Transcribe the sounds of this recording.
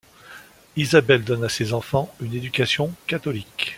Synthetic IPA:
izabɛld̪ɔnasezɑ̃fɑ̃yned̪ykʲasjɔ̃kat̪ɔlik

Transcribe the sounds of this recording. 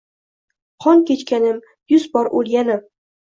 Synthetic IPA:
qʰɒŋkʲet͡ʃkʲanɪm | jʊzbɒɾʔolˠɡʲanɪm

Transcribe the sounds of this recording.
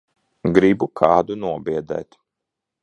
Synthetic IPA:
ɡɾibukʰɑːd̪unuɔbiɛd̪ɛ̰ːt̪

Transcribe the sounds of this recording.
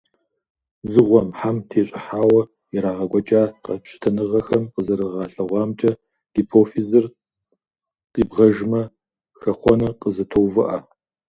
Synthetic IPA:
zɨʁʷɔmħamtʰeːɕʼɪħaːwɐ | iɾaːʁɐɡʷɔt͡ʃʼaːqɐpɕʰɪ̥tʰɐnɨʁɐxɐmqəzɐɾɨʁɑːɬɐʁʷɑːmt͡ʃʼɐ | ɡ̥ipʰoːfizɨr | qʼiːbʁɐʒmɐ | xɐχʷɔnɐqʼəzɐtʰowvɨʔɐ

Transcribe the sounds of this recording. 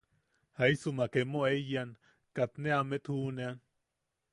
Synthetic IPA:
haisumakemoejan | kat̪neamet̪huːnean

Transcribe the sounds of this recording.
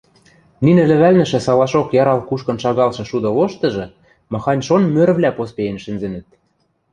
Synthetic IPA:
ninɘ̆lɘ̆βælnɘ̆ʃɘ̆sɑlɑʃokjɑɾɑlkuʃkɤ̆nʃɑɣɑlʃɤ̆ʃud̪ɤ̆loʃt̪ɤ̆ʒɤ̆ | mɑxɑnʲʃonmøɾβlʲæpospejenʃɘ̆nzenɘ̆t̪̚

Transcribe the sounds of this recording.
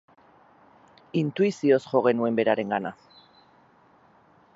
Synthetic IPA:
int̪uisio̞sʝo̞ɣe̞nue̞mbe̞ɾaɾe̞ŋɡana

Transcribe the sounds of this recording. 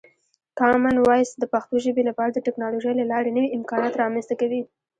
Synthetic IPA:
kɑmanwɑjsd̪əpaxt̪oʒəbelapɑɾad̪əʈɪknɑloʒəjlalɑɾanəwiɪmkɑnɑt̪ɾɑmanst̪akawi

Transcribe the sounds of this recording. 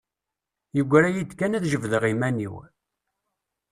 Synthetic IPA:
jəɡʷːɾæjid̪kænæðʒəvðəʁimænḭw

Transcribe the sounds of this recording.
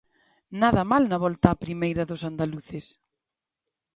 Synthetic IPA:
naðɐmalnɐβɔlt̪aːpɾimejɾɐðʊsand̪aluθɪs

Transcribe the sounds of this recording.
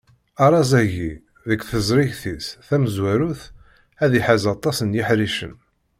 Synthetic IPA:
ɑɾˤɑzæʝi | ðəkθəzˤɾɪʝθisθæməzwæɾuθ | æðiħazɑt̪ˤːɑsənjiħɾiʃə̰n

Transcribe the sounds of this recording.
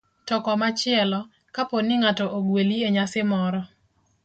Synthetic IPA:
tɔkɔmat͡ʃɪɛlɔ | kaponɪŋatɔʔoɡwelieɲasɪmɔɾɔ

